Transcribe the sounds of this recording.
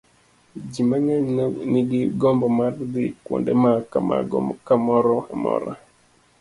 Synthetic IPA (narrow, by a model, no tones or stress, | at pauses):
d͡ʒimaɲaɲniɡiɡɔmbɔmaɾdikwɔ̰ndɛmakama̰ɔkamɔɾɔhamɔ̰ɾa̰